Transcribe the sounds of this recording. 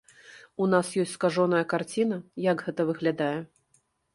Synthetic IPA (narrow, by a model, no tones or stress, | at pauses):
unasjɔsʲtʲskaʐɔnɐjɐkart͡sʲin̪ɐjaɡɣɛt̪ɐvɨɣlʲad̪ajɛ